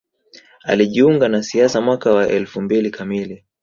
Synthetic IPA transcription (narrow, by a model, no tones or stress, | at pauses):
a̰liʄiuŋɡanasiasamwakawaʔɛlfumbilikʰamili